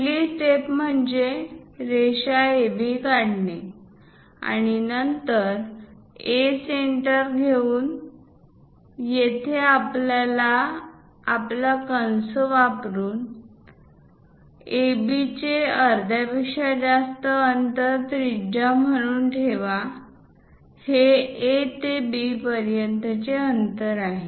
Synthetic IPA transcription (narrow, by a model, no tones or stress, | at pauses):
liːsʈet̪məɳd͡zeɾeɕaebikaɽne | a̰ɽ̃inənt̪əɾ | eseɳʈəɾɡʱeuːn | jet̪ʰeaplalaː | plakənsəʋapɾuːn | ebit͡ɕeəɾd̪ʱjabiʂad͡zast̪əːnt̪əɾt̪ɾid͡ʑam̤əɽ̃uːnʈʰeʋa | heet̪ebipəɾjənt̪ət͡ɕeənt̪əɾaɦe